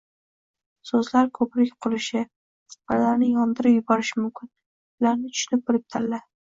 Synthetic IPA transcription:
sɵzlaɾkʰɵpɾɪkʲqʰʊlˠɪʃɪ | sqat̪laɾnɪjɒnd̪ɪɾɪpjʊbɒɾɪʃɪmʊmkʲʰɪn | ʊlaɾnɪt̪ʰʊ̥ʃʊnɪp̚bɪɾɪp̚t̪ʰaɾla

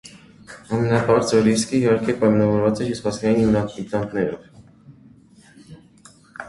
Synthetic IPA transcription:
ɑmɛnɑpɑɾt͡sɔɾiskəihɑɾkɛpɑjmɑnɑvɔɾvɑt͡sɛt͡ʃispɑskɑinnɑit̪ɑŋkʰnɛɾɔv

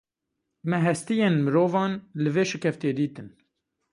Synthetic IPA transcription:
mɛɦɛst̪ijeːnmɨɾoːvɑːnlɨveːʃɪkʰɛft̪eːd̪iːt̪ɨn

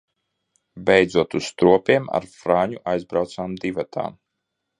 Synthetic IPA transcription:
bʲɛjd̪zuɔt̪usst̪ɾuɔpiɛma̰ɾfɾaːɲuʔajzbɾawt̪saːmd̪ivat̪ʰa̰ː

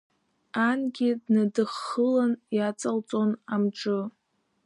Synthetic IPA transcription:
anɡʲidnadɨχːəlanjat͡sʼalt͡sʼonamʈ͡ʂʼɨ

